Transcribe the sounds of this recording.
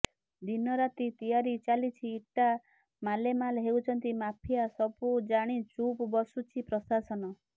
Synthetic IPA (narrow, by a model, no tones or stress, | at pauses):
d̪inɔɾat̪it̪ijaɾit͡ʃalit͡ʃʰiːʈa | malemalɦewt͡ʃʰɔnt̪imapʰijasɔbud͡ʒaɽ̃it͡ʃupbɔsut͡ʃʰipɾɔsasɔnɔ